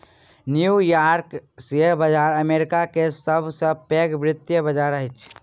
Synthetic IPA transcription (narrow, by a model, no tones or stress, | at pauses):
njujaːɾkseəɾbəd͡ʒaːɾəmeːɾɪkakesəbʱsə̃peːɡʋɾɪt̪jəbəd͡ʒaːɾəɦɪt͡ʃʰ